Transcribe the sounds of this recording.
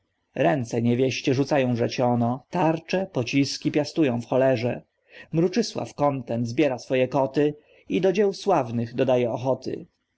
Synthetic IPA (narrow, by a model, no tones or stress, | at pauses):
ɾɛnt̪sɛɲɛvʲjɛɕt͡ɕɛʐut̪sajɔ̃w̃vʐɛt͡ɕɔnɔt̪aɾt͡ʂɛpɔt͡ɕiskʲipʲjast̪ujɔ̃w̃fxɔlɛʐɛ | mɾut͡ʂɘswa̰fkɔnt̪ɛnt̪zbʲjɛɾasfɔjɛkɔt̪ɘ | id̪ɔd͡ʑɛwswavnɘɣd̪ɔd̪ajɛɔxɔt̪ɘ̰